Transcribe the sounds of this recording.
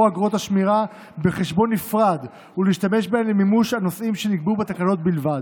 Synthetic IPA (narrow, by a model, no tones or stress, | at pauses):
aɡʁo̞t̪aʃmiʁa | be̞χe̞ʃbo̞nːifʁad̪ | uliiʃtame̞ʃbeemlemimuʃhanosʔimʃe̞niɡbubet̪akano̞t̪̚bilvad̪